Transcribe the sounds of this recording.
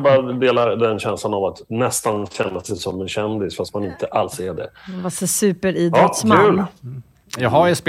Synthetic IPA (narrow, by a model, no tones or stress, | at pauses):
bɑːɾad̪eːlaɾd̪ɛnɕɛnslanavat̪nɛst̪anɕɛnːasɛjsɔmːɛnɕɛnd̪ɪsfast̪̚manɪnt̪ʰəʔalsæɖɛ̰vasɛsʉ̟ːpəɾiːd̪ɾɔt̪smkaʉ̟ːl | jɑɡɦajsp